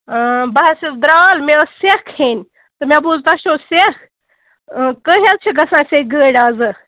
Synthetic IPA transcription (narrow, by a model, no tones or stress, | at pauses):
bɐɦɐsid̪ɾaːlmesekʰhenʲ | t̪ɨmʲabuːzt̪ɐʃoːsek | kəɦʲel̚t͡ʃʰiɡɐsãːseɡəːɽʲaːzɨ